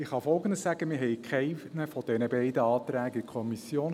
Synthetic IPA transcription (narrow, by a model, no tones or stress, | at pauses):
ɪχhɑfɔlɡəndəssæɡ̥əmiːɦɛɪkʰɛɪnəfɔd̥ɛnəbɛɪdəɑːt̪ɾæːɡəikʰɔmisjoːn